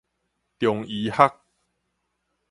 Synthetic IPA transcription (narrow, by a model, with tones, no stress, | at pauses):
t̪jɔ˨˩ŋi˨˦ha˦k̚